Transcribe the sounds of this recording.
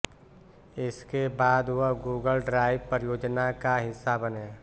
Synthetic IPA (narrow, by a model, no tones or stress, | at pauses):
ɪskebaːd̪wəɡuːɡəlɖɾaːɪʋpəɾjoːd͡ʒnakaɦɪsːabənẽː